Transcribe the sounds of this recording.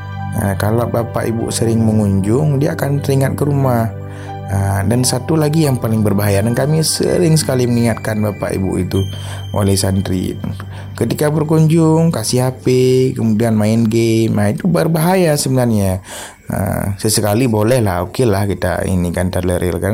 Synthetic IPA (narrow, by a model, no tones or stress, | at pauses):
ə̰kalabapa̰ʔḭbṵʔsəɾɪŋməŋuɲd͡ʒʊŋdiaːkant̪əɾiŋat̪̚kəɾumah | ədansat̪ulaɡijaŋpalɪŋbərbaɦajadankamisə̰ɾɪŋsə̥kaliməŋiŋat̪̚kanbapa̰ʔḭbṵʔit̪u | ʔo̰lɛhsand̪ɾḭ | kət̪ikabərkuɲd͡ʒʊŋkasiɦapekəmudianmaɪnɡemnait̪ubərbaɦajasəbənarɲa | ə̰səsəkalibolɛhlahokelahkit̪a̰ḭnikant̪arləɾʔilkan